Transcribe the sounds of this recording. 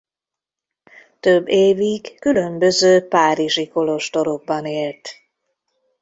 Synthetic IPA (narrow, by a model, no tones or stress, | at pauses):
t̪øbːeːviɡkylø̞mbø̞zøːpaːɾiʒiko̞lo̞ʃt̪o̞ɾoɡ̚bɒneːlt̪